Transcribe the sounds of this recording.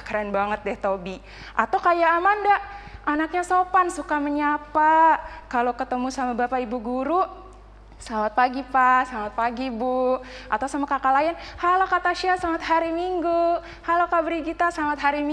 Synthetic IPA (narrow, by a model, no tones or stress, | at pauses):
kɾɛnbaŋət̪̚dɛht̪obi | ʔa̰t̪awkajaːmandaʔʔanak̚ɲasopansukaməɲapakalokət̪əmusamabapaibuɡuɾu | samat̪̚paɡipasamat̪̚paɡibuat̪awsamakakalajanhalokat̪aʃiasamat̪haɾimiŋɡu | halokabɾiɡit̪asamat̪ɦaɾim